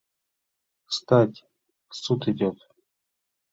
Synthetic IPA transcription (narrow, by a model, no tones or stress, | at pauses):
st̪atʲ | sut̪ɪdʲot̪